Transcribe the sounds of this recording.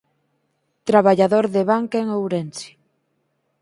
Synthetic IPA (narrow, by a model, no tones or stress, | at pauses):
t̪ɾaβaʎaðoɾðeβaŋkeŋowɾensi̥